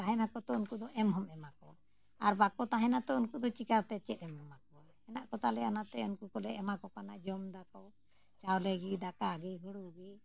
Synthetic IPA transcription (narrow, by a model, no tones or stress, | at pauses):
t̪aɦɛnakɔt̪ɔunkud̪ɔʔɛmɦɔmɛmakɔ | aɾbakɔt̪aɦɛ̃nat̪ɔunkud̪ɔt͡ʃikaɾt̪ɛt͡ʃɛt̪̚ɛmɦɔmakɔa | ɛnaʔkɔt̪alɛanat̪ɛunkukɔlɛʔɛmakɔkanaʔd͡ʒɔmd̪akɔ | t͡ʃawleɡid̪akaːɡiɦuɽuɡi